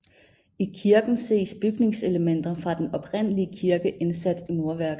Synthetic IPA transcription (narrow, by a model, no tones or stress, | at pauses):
ikʰiɐɡ̥n̩se̝̰ːsb̥yɡ̥ne̝ŋse̝ləmen̰d̥ɐfʁɑ̈d̥enɒ̽pʰʁen̰əliəkʰiɐɡ̥əʔe̝nsæd̥imo̝ɐʋæɐ̰ɡ̥ð̩ˠ